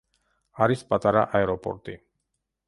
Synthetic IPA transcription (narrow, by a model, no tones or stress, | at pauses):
aɾispʼat̪aɾaʔaɛɾɔpɔ̰ɾt̪i